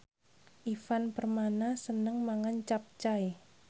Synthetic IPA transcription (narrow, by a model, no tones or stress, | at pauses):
ʔifanpərmanasənəŋmaŋant͡ʃap̚t͡ʃaj